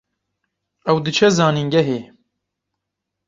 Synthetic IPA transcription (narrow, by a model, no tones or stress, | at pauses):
ɛwd̪ɨt͡ʃʰɛzɑːniŋɡɛɦeː